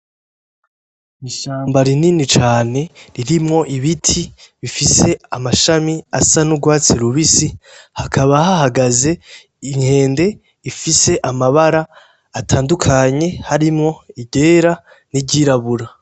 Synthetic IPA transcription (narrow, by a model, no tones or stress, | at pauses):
iʃaːmbaɾininit͡ʃaːne̞ɾiɾimŋo̞ʔiβitʰiβifise̞amaʃamia̰sanuɡwaːt͡siɾuβisihakʰaβaɦaɦaɡaze̞ | iŋhe̞ːnde̞ | ifise̞ʔamaβaɾaː | tʰaːndukʰaɲe̞haɾimŋo̞iɟe̞ːɾa | niɟiːɾaβuɾa